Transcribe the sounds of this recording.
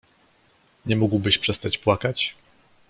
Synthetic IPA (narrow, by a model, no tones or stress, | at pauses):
ɲɛmuɡwbɘɕpʂɛst̪at͡ɕpwakat͡ɕ